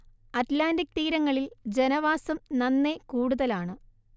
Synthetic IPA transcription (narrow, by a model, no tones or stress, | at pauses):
ɐtlaːndik̚t̪iːɾɐŋːɐɭild͡ʑenɐʋaːsɐmnɐnːe̞kuːɽuðɐlaːɳɨ